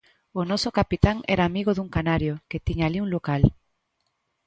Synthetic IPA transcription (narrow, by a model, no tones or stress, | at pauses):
onɔsokapit̪aŋɛ̰ɾaːmiɣoðuŋkanaɾjoket̪iɲaliuŋlokal